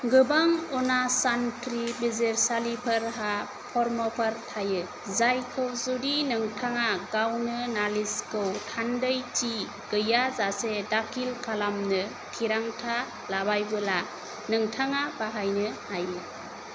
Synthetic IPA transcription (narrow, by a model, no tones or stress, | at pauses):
ɡɯbaŋɔnasantɾibizeɾsalipʰɯɾɦa | pʰɔɾmɔpʰəɾtʰajɯ | zajkʰɯwzudinɯŋtʰaŋaɡawnɯnaliskɯwtʰandəjt͡ʃi | ɡ̥ɯjazasedakʰilkʰalamnɯ | tʰiɾaŋtʰa | labajbɯla | nɯŋtʰaŋabaɦajnɯajɯ